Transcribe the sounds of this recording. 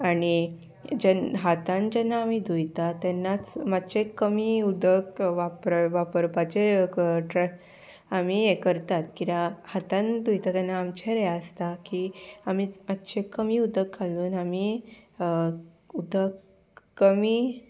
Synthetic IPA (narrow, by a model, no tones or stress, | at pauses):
aɽ̃i | d͡ʑɛnɦat̪ãnd͡ʑɛnːaːmid̪ujt̪at̪ɛnːat͡smad̪t͡ɕekəmiːud̪əkʋapɾʋapəɾpat͡ɕeʈɾɛ | amiːekəɾt̪at̪kit̪ahat̪ãnd̪ujt̪at̪ɛnːaːmt͡ɕʰɛɾɛjaəst̪akiamiːmad̪t͡ɕekəmiːud̪əkʰːaluːnamiə | ud̪ʱəkː | əmiː